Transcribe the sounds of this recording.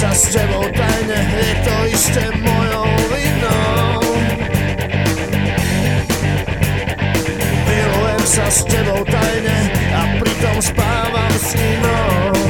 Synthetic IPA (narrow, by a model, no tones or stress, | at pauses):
sascɛbɔʊt̪ajɲɛjɛt̪ɔist̪ɛmɔjɔʊvinɔ | ilɛmsascɛbɔʊt̪ajɲɛapɾit̪ɔmspaːʋamsinɔ